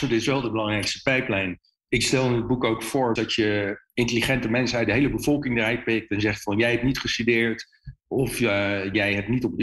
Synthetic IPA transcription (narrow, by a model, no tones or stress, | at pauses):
sodɪsʋɛlˠdəbəlɑŋrɛjkstə̥pɛjplɛjn | ɪkstɛlˠɪnəd̚bukowkfʊɹdɑtjəɪntəliχɛntəmɛnsənœɥt̚dəɦejləbəv̥ɔlˠkɪŋdərɛj̚pɪk̚tɛnzɛχtfɑnjɛjɦɛp̚tnitχəstydɪːɹt | ɔfjɛjɦɛp̚nitɔpd